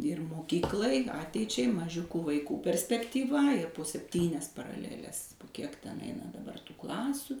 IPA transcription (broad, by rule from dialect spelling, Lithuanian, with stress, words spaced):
ɪr moːˈkʲiːklˠɐɪ ˈɑːtʲɛɪt͡ʃʲɛɪ mɐˈʒʲʊkuː ʋɐɪˈkuː pʲɛrʲsʲpʲɛktʲiːˈʋɐ ɪr poː sʲɛpʲˈtʲiːnʲɛs pɐrɐˈlʲæːlʲɛs ˈkʲiɛk ˈtʲɛn ˈɛɪnɐ dɐˈbɐr tuː ˈklˠɑːsʲʊ